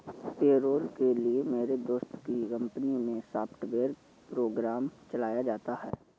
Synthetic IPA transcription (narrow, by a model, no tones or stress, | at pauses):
peːɾoːlkeliemeːɾed̪oːst̪kikə̃mpənimẽsaːpʰʈʋeːɾ | pɾoːɡɾaːmt͡ʃəlaːjad͡ʒaːt̪aɦɛ̰ː